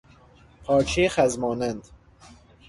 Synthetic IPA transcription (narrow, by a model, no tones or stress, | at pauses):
pʰɒːɾt͡ʃʰexæzmɒːnænd̪̥